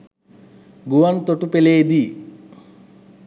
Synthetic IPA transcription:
ɡuʋant̪oʈupeleːd̪i

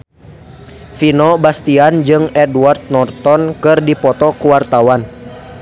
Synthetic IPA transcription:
finɔbast̪iand͡ʒɨŋɛduwart̪̚nɔrt̪ɔnkɨrdipɔt̪ɔkuwart̪awan

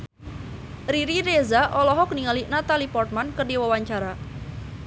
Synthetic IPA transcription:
riɾirezaʔɔlɔɦɔk̚niŋalinat̪alipɔrt̪̚mankərdiwawaɲt͡ʃaɾa

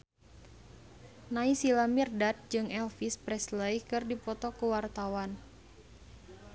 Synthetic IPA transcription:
naisilamirdat̪̚d͡ʒɨŋɛlfispɾɛsləikɨrdipɔt̪ɔkuwart̪awan

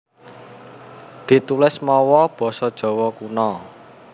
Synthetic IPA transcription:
d̪̥i̤t̪ulɪsmɔwɔb̥ɔ̤sɔd̥ʒ̥ɔ̤wɔkunɔ

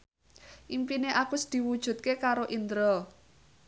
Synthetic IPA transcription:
ʔimpineʔakʊsd̪̥i̤wud̥ʒ̥ṳt̪̚kekaɾoʔind̪ɾɔl

